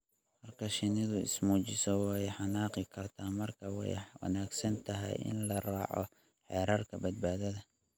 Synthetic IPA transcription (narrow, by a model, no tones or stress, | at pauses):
hɐrkʰɐʃɪnɪðʊɪ̰smuːt͡ʃɪsɔwɑjħɑnaːqɪkʰɐrt̪ʰaːmɐrkʰɐwɛ̰jwɐ̰naːɡsɐnt̪ʰɐɦɛ̰jɪ̰nlɐraːʕɔ̰ | ħɛːɾaːrkʰɐbɐd̪̚baːðɐðɐ